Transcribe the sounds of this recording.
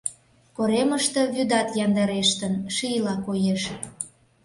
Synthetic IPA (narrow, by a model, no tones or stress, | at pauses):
koɾeməʃt̪ə̆βyd̪ɑt̪jɑnd̪ɑɾeʃt̪ənʃijlɑkojeʃ